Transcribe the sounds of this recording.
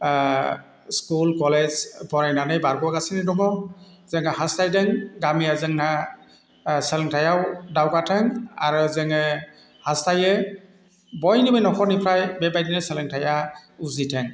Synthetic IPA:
skulkɔlezpɔɹajnanɯjbaɹɡɔaɡasinɛdɔŋɔ | zɛŋɛhastajdɛŋɡamijazɛŋna | sɛlɛŋtʰajawdawɡatʰɛŋaɹɔzɛŋɛ | hastajɛ | bɔjnibɯjnɔkʰɔnipʰɹajbɛbajdinɛsɛlɛŋtʰajauzitʰɛŋ

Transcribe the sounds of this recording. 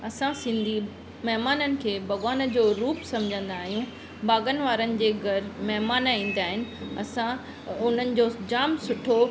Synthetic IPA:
ɐsãsɪ̃nd̪ʱi | mɐɦmaːnənɪ̆kʰeːbʱɐɡaːnəd͡ʑoːɾuːpsɐ̃md͡ʑʱə̃nd̪aːɦijũ | baːɡənʋaːɾənɪ̆d͡ʑeːɡʱɐɾmɐɦmaːnĩːn̆d̪aːɦɪnɪ̆ɐsã | ʊn̤ənɪ̆d͡ʑoːd͡ʑaːmsʊʈʰo

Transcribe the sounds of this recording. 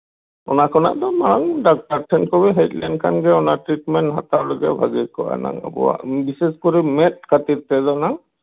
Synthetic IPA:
ɔ̰nakʰɔna̰ʔd̪ɔmaɽaŋɖak̚ʈaɾʈʰɛnkɔbɛɦɛjt̚lajnkʰanɡɛɔnaʈɾiʈmɛntɦat̪aɾləɡɛ̰bʱa̰ɡikɔa̰na̰ŋa̰bɔ̰wa̰ʔbiseskɔɾimɛt̪̚kʰat̪iɾt̪ɛd̪ɔnaŋ

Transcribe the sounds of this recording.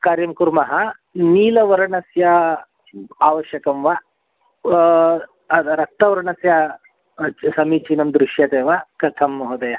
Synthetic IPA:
kaːɾjɐmkuɾmɐɦɐ | niːlɐʋɐɾɐɳɐsjɐ | aːʋɐʃjɐkɐmʋa | ɐɾɐk̚t̪ɐʋɐɾɐɳɐsjɐ | t͡ʃsɐmiːt͡ʃinɐmd̪ɾuʃjɐt̪eːʋɐkɐt̪ʰɐmːɐɦɐd̪ɐjɐ

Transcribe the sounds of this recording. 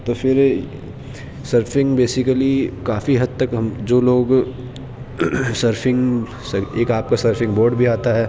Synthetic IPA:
t̪ofɪɾ | səɾfɪ̃ŋɡbeːsɪkəlikaːfiɦɐd̪̚t̪ɐkɦɐmd͡ʒoːloːɡ | səɾfɪ̃ŋɡ | seːkaːp̚kasəɾfɪ̃ŋɡboːɾɖbʱiaːt̪aɦɛː

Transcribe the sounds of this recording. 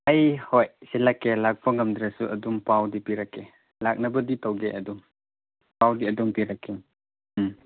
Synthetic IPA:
ajhojsilakːelak̚pʰɐŋɐmdɾasuʔɐdumpawdipiɾakʰːe | lak̚nɐbɐditowɡeʔɐdum | pawdiɐdumpiɾakʰːe

